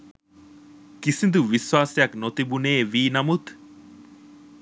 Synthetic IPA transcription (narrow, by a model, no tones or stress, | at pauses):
kisind̪uʋiswaːsijɐknot̪ibuneːʋiːnɐmut̪